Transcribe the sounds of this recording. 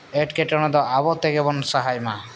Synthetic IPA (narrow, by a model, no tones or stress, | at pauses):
eʈkeʈɔɽ̃ɔd̪ɔʔabɔt̪eɡebɔnsaɦajma